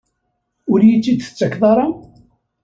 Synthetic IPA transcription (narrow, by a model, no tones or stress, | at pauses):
ʊɾjit͡sːid̪ə̥t͡sːəkðˤɑɾˤɑ